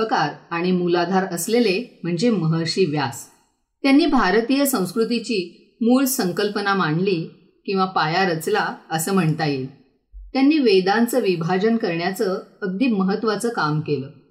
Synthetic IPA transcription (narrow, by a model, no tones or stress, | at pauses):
əkaɾaɽ̃imulad̪ʱaɾəslelem̤əɳd͡zeməɦəɾɕiːʋjas | t̪janːiːbʱaɾt̪ijəsə̃w̃skɾut̪it͡ɕiː | muːɭsəŋkəlpənamaɳliː | kĩw̃ʋapajaɾət͡slaəsəːm̤əɳt̪aje | t̪janːiːʋejd̪ant͡səʋibʱad͡ʑənkəɾɳjat͡səːɡ̚d̪iːməɦət̪ːʋat͡səkamkeləː